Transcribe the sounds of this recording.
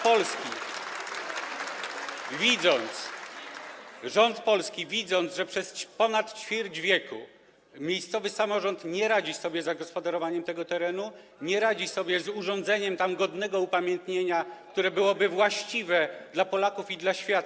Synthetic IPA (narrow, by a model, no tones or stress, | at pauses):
pɔlskʲi | vʲid̪zɔnt̪s | ʐɔnt̪pɔlskʲivʲid̪zɔnd̪zʐɛpʂɛspɔnat̪t͡ɕfʲiɾd͡ʑvʲjɛkṵ | mʲjejst̪sɔvɘsamɔʐɔnt̪ɲɛɾad͡ʑisɔbʲjɛzaɡɔspɔd̪aɾɔvaɲɛmt̪ɛɡɔt̪ɛɾɛnu | ɲɛɾad͡ʑisɔbʲjɛzuʐɔnd̪zɛɲɛmt̪amɡɔd̪nɛɡɔupamʲjɛnt̪ɲeɲak̚t̪uɾɛbɘwɔbɘvwaɕt͡ɕivɛd̪lapɔlakufid̪laɕfʲjat̪